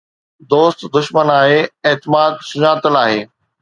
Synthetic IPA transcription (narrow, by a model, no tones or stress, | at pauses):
d̪oːst̪d̪ʊʃmənaːɦeːeːt̪ɪmaːd̪sʊɲaːt̪əlaːɦeː